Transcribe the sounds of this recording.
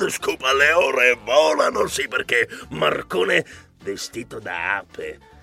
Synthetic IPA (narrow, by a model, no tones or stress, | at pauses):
skuːpaleɔːɾevɔːlanosipːerk̟emarkoːne | vest̪iːt̪od̪a̰a̰ːpḛ